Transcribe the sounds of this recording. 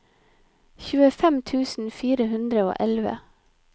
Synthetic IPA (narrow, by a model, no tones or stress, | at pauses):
çʉːəfɛmt̪ʰʉːsn̩fiːɾəhʉnd̪ɾəo̰ːʔɛlʋə̰